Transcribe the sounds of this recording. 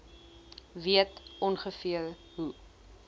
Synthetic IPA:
viətʔɔnχəfiəl | ɦu

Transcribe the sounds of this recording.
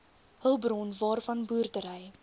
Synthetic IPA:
həlˠbrɔnvɑːrfɐnbuːrdəɾəj

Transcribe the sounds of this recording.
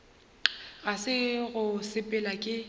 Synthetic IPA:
ɣasɪɣʊsɪpʼɛlakʼɪ

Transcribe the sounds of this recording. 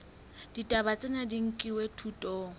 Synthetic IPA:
d̥itʼabat͡sʼɪnadiŋ̩kʼiwetʰutʼɔː

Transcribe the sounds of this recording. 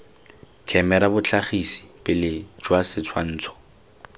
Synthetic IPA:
kʰɛmɛɾabʊt͡ɬʰaχisi̥pɪlɪd͡ʒwasɪt͡sʰwan̩ːt͡sʰɔ̥

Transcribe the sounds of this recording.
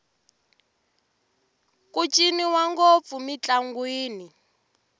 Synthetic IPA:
kʼut͡ʃʼiniwaŋɡop̪fumit͡ɬaŋɡwiːni

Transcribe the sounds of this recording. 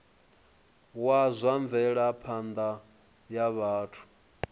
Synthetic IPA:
wazʷaɱvɛɺapʰand̪a | jaβaːtʰu̥

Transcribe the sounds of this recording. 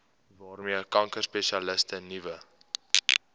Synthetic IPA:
vɑːrmiəkɐŋkərspeʃiɐləstənivə

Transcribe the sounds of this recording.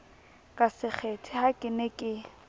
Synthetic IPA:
kʼasɪk͡xʰetʰɪhakʼɪnɛkʼɪ

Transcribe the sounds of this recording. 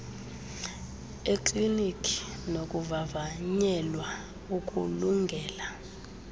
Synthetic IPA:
eǃlinikʰʼi̥nokʼuvavaɲɛlwa | ukʼṵluŋɡʱɛːla

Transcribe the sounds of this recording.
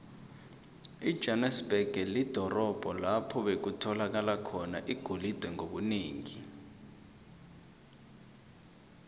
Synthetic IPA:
id̥ʒ̥ʱɛnɛsb̥ɛɡ̥ʱɛlid̥ʱɔrɔb̥ʱɔlapʰɔɓek̬utʰɔlak̬alakʰɔnaʔiɡ̥ʱulid̥ʱwɛŋoɓuniːŋi

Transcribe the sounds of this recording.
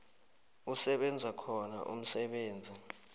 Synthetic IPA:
usɛɓɛnd͡zʱakʰɔna̰ʔṵm̩sɛɓeːnd͡zʱi

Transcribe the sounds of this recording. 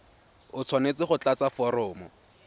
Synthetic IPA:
ʊt͡sʰwanet͡sɪχʊt͡ɬat͡safɔɾɔːmɔ

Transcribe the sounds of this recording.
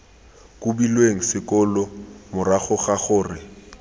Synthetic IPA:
kʼubilweŋ̩sɪkʼʊlɔmʊɾaχʊχaχʊːrɪ

